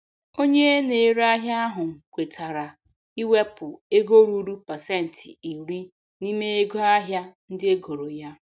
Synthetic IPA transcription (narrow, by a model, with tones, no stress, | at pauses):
o˦ɲe˦ne˨e˦ɾa˦ɦja˦a˦ɦʊ˨ŋ̩˨kʷe˨tʰa˨ɾa˨ | i˦we˦pʊ˨e˦ɡo˦ɾu˦ɾu˦pa˨se˦˨n̩˨tʰɪ˨i˨ɾi˦ | ni˦me˦e˦ɡo˦a˦ɦja˦n̩˦dɪ˦e˦ɡo˨ɾo˨ja˦